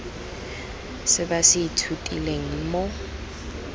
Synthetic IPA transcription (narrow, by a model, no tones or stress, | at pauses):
sɪbasɪitʰutʼḭleŋ̩mo